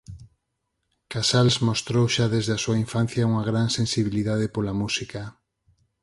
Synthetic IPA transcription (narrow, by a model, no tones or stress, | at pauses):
kasalzmost̪ɾowʃaðezðeasuaiɱfan̟θjauŋaɣɾansẽnsiβiliðað̞epolamusika